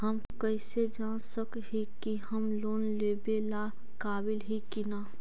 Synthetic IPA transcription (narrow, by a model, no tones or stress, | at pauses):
ɦəm | kəɪsed͡ʒaːnsəkɦikiɦəmloːnleːbela | kaːbɪlɦikina